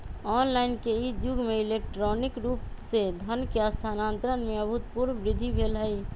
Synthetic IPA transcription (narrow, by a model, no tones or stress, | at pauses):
ɔnlaɪnkeid̪juɡmeilek̚ʈɾɔnikɾupsed̪ʱənkeəst̪ʰanant̪ɾənmeəbɦut̪̚puɾnbɾid̪ʱːibʱelɦəj